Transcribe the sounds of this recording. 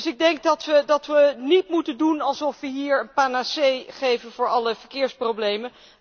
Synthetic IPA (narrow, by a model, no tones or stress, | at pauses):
sɪɡ̚dɛŋk̚dɑtʋədɑtʋənitmutəndunɑlˠsɔfʋəɦiːɹənpaːnasejχejvənvʊːɹɑləv̥əɹkɪːɹsprowblejmən